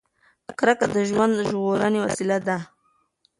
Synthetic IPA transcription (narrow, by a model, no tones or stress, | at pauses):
akɾakad̪əʒwand̪ʒɣoɾanewa̰silad̪a